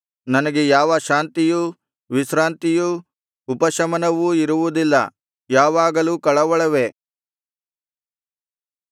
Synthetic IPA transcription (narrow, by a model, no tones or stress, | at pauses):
nɐnɐɡejaːʋɐʃaːnt̪iju | ʋiʃɾaːnt̪ijuː | pɐʃɐmɐnɐʋuiɾuʋud̪ilːɐ̰ | jaːʋaːɡɐlukɐɭɐʋɐɭɐʋe̞